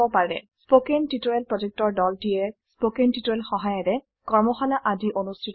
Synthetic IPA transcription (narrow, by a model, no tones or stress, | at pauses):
ɔpaɹɛ̰spokentitɔjelpɹɔzek̚tɔɹdɔldijɛspokentitojlxɔɦajɔtɛ | kɔɹmɔxɔnaʔadiʔonustʰit